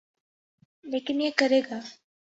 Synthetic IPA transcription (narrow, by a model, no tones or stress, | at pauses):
leːkiniekɐɾeːɡaː